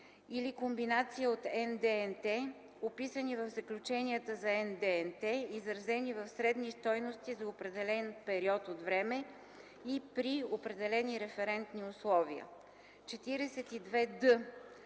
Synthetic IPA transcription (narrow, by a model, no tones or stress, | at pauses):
ilikombinat̪siəot̪ɛnd̪ɛɛnt̪ɛ | opisənivɐvzəklʲut͡ʃɛniət̪əzɐɛnd̪ɛɛnt̪ɛizɾɐzɛnivɐfsɾɛd̪nist̪ɔjnost̪izɐopɾɛd̪ɛlɛnpɛɾiɔt̪ot̪vɾɛmɛ | ipɾiopɾɛd̪ɛlɛniɾɛfɛɾɛnt̪niʊslˠɔviə̰ | t͡ʃɛt̪iɾɛsɛt̪id̪vɛd̪ɤ